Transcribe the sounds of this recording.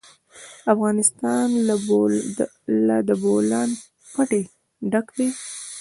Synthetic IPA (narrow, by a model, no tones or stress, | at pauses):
afɣɑnɪst̪ɑn | lad̪əbolɑn | paʈe | ɖakd̪e